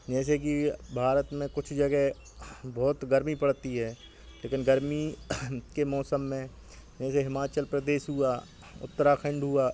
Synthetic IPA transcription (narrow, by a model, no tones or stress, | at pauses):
d͡ʒɛːs̬ek̬ibʱaːɾət̪mẽkʊt͡ʃʰd͡ʒɐɡɛɦ | bɔːt̪ɡəɾmipəɽt̪iɦɛː | leːkɪnɡəɾmi | kemɔːsəmːẽ | d͡ʒɛːseɦɪmaːt͡ʃəlpɾəd̪eːʃɦʊaː | ʊ̰t̪ːəɾakʰɐ̃ɳɖɦuaː